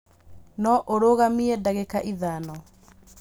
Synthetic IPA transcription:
nɔʔoɾoɣamiɛdaɣekaʔiðanɔ

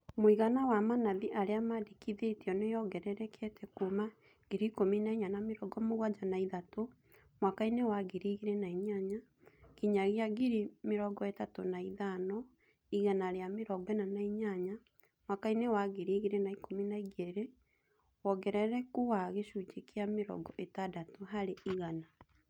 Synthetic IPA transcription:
moiɣanawamanaðiʔaɾeamadikiðeteɔnejɔɣɛɾɛɾɛkʰɛtɛkuma | ɡ̥eɾikominaiɲanameɾɔɡɔmoɣwad͡ʒanaiðato | mwakainewaɡeɾiːɣeɾenaiɲaɲa | kiɲaɣjaɡiɾimeɾɔɡɔetatonaiðanɔ | iɣanaɾeameɾɔɡɛnanaiɲaɲa | mwakainewaɣeɾiɣeɾenaikominaiɡeɾe | wɔɡɛɾɛɾɛkuwaɣeʃud͡ʒekeameɾɔ̰ɡɔʔetadatoɦaɾeiɣana

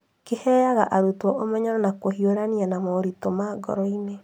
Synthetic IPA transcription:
kehɛːjaɣaʔaɾutwɔʔomɛɲɔɾɔnakohioɾanianamɔɾitomaɡɔ̰ɾɔine

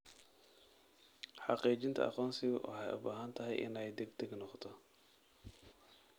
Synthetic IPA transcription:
ħɑqiːt͡ʃɪnt̪ʰɐ̰ʔɑ̰qɔːnsɪʔɔ̰ħɛjʊ̰baːɦɐnt̪ʰɐɦɛjʔɪ̰nɛjd̪ɛɡd̪ɛɡnɔqt̪ʰɔ

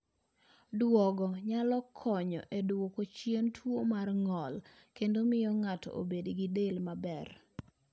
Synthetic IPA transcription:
dwɔɡɔɲalɔkʰɔɲɔ̰ʔedwokot͡ʃjentʰwomarŋɔl | kendomɪjɔŋatɔ̰o̰bediɡɪdelmabɛr

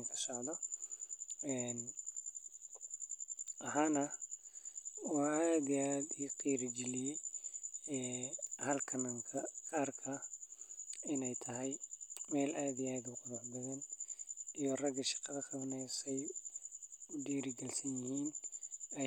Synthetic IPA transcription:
ŋkʰɐ̥sɔʕd̪ɔ | ɛn | ʔɐɦaːnɐ | wɑːaːd̪iaːd̪iːqiːɾɪɡɪlɪjɛj | ɛːhɐlkʰɐnɐŋkʰɐkʰaːrkʰɐ | ɪnɛjt̪ʰɐɦɛjmɛːlʔaːd̪ijaːd̪uqʊðɐħbɐðɐn | ijɔrɐɡɐʃɑ̥qɐðɐkʰɐβnɛjsɛj | ʊdiːɾɪɡɐlsɐnjɪhiːnɛ

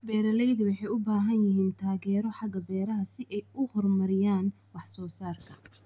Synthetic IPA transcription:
bɛːɾɐlɛjðʊwɑħɑjʊbaːɦɐnjɪɦiːnt̪ʰaːɣɛːɾɔħɑɡɐbɛːɾɐɦɐsɪʔɛjʊhɔrmɐɾɪjaːn | wɑħsɔːsaːrkʰɐ̥

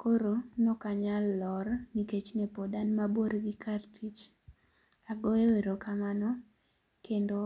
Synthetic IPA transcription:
koɾonɔkaɲalːɔrniket͡ʃnepodanmaboɾɡikartʰit͡ʃ | aɡoeweɾokamanɔ | kendo

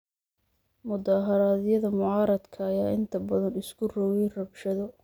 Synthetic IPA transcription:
mʊd̪aːɦɐɾaːðjɐðɐmʊʕɑːɾɐd̪kʰɐːjaːʔɪnt̪ʰɐbɐðɐnɪskʰʊrɔwɛjrɐbʃɐðɔ

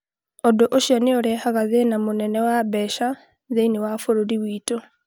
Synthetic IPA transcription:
odoʔoʃjɔneoɾɛhaɣaðenamonɛnɛwabɛʃa | ðeinewafoɾoɾiwiːto

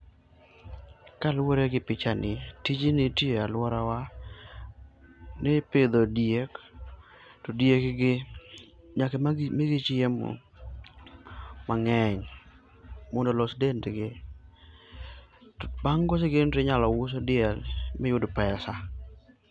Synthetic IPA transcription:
kalwoɾeɡɪpɪt͡ʃanɪtid͡ʒinɪtjealwɔɾawa | neped̪odjek | todjekɡɪ | ɲakemɪɡɪt͡ʃɪemo̰ | maŋɛɲ | mɔndolɔsdentɡɪ | tbaŋɡos̬eɡendɾeɲalɔwʊs̬odɪjɛlmɪjʊdpɛsa

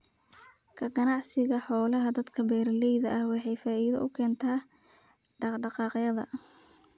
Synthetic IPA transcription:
kʰɐɡɐnɑʕsɪɣɐħɔːlɐɦɐd̪ɐd̪kʰɐbɛːɾlɛjðɐʔɐhwɑħɑjfaːʔiːðɐ̰ʔʊkʰɛːnt̪ʰaː | ɖɑɖɑqɑːqjɐðɐ̰

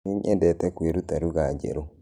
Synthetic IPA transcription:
iɲʔɛdɛtɛkweɾutaɾuɣad͡ʒɛ̰ɾo

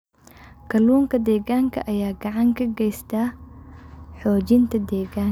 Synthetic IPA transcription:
kʰɐluːŋkʰɐd̪ɛːɣaːŋkʰɐ̰ʔɐjaːɡɑʕɑŋkʰɐɡɛjst̪ʰaː | ħɔːt͡ʃɪnt̪ʰɐd̪ɛːɣaːŋ

